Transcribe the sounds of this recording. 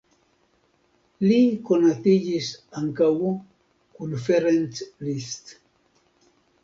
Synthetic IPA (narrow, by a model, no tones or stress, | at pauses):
likonat̪iʎisaŋkawu | konfeɾent͡slist̪